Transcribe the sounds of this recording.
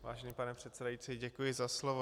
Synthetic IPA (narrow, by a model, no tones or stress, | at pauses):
va̰ːʒɛnipanɛpr̝̥ɛt̪t͡sɛdajit͡siɟɛkujɪzaslovo